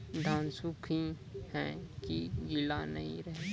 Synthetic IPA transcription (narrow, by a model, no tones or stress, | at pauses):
d̪ʱãːnsʊkʰi | hɛ̰̃kiɡɪlanɐɦḭ̃ɾɛɦe